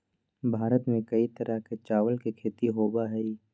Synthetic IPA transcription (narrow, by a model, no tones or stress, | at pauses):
bʱaːɾət̪mẽkɐit̪ɐɾʔəɦket͡ʃaːʋəlkikʰeːt̪iɦoːbaɦɛi